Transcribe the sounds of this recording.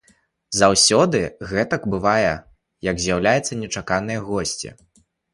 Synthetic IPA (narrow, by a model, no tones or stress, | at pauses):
zawsʲɔd̪ɨɣɛt̪ɐɡbɨvajɛ | jɐɡzʲjawlʲajɛt̪sːɐnʲɛt͡ʂakanɨjɐɣɔsʲt͡sʲḭ